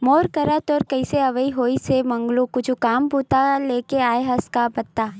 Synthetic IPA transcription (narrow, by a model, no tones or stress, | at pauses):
moːɾkɐɾat̪ɔːɾkɐɪseɐʋəiɦoːisemɐ̃ŋɡlũkʊt͡ʃʰukaːmpuːt̪aleːkeaːeɦɐskabɐt̪ːaː